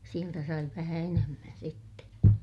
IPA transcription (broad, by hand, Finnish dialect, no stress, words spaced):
sieltæ sɑi ʋæhæ enemːæn sitːe